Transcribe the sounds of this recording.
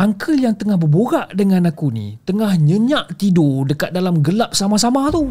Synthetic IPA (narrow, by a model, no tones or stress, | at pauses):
aŋkʰəljaŋt̪əŋahbəboɡaʔdəŋãnakunḭ̃t̪əŋahɲə̃ɲaʔt̪idodəkat̪̚dalamɡəlap̚samasamat̪u